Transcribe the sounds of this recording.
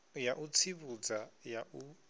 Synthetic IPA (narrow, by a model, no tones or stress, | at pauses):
jaʔut͡sʰiβud͡zajau